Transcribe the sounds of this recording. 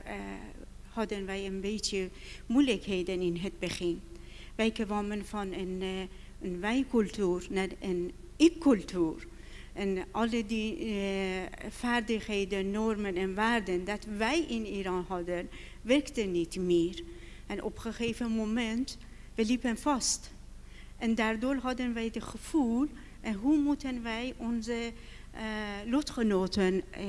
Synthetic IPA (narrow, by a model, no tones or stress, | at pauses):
hɑdənʋɛjənbetəmujləkheːdənɪnɦət̪̚bəχɪnʋɛjkəvɑmənfɑnən | nʋɛjkʉlt̪yːɾnɛənikʰːʉltʰyːɾʔɛnʔɑlədi | fæɾdɪxheːdənːɔɾmənɛnvæːɾdənd̪ɑt̪ʋæjʔɪniɾɑːnɦɑd̪ənvɛɾkt̪ənit̪meːɾʔɛnʔɔ̰pχəχeːvəmomɛnt̪ʋɛlipənfɑst̪ | ʔɛnd̪æɾd̪oːɾɦɑd̪ənʋæjd̪ɪχəfuːlʔɛnɦumut̪ʰənʋæjʔɔnsə | lɔt̪χənoːt̪ən